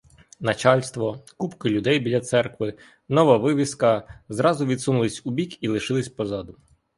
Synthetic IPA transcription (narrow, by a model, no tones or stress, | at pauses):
nɐt͡ʃɑlʲst̪ʋɔkupkɪlʲʊd̪ɛjbʲilʲɐt̪sɛrkʋɪ | nɔʋɐʋɪʋʲiskɐzɾɑzʊʋʲid̪sunʊlˠɪsʲʊbʲikilˠɪʃɪlˠɪsʲpɔzɑd̪ʊ